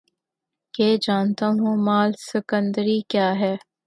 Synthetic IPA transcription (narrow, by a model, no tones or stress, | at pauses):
keːd͡ʒaːnt̪aɦõːmaːlsɪkə̃nd̪əɾikjaːɦɛː